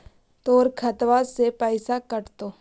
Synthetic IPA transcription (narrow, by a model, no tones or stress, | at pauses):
t̪oːɾkʰɐt̪ʋasepɛːsakɐɾt̪oː